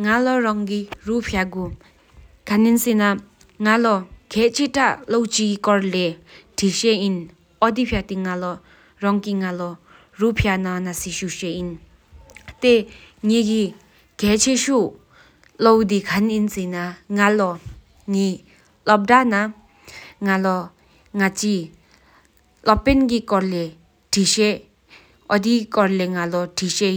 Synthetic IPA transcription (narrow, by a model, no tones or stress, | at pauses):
ŋalɔɹaŋkiɹupʰjaɡu | kʰaninsina | ŋalɔkʰɛːʔt͡ɕʰeʈ͡ʂaʔlowt͡ɕikikɔɹlɛʈ͡ʂʰiɕɛʔin | ʔɔd̪ipʰjat̪iŋalɔ | ɹɔŋkiŋalɔ | rupʰjanãnasiʃuʃɛʔin | t̪eŋiɡi | ɡ̥ɛt͡ɕʰeʃu | lɔwd̪ikʰaninsinaŋalɔ | ŋi | lɔp̚dana | ŋalɔ | ŋat͡ɕi | lɔpenɡikɔɹle | ʈ͡ʂʰiɕe | ʔɔd̪ikɔɹleŋalɔʈ͡ʂʰiɕe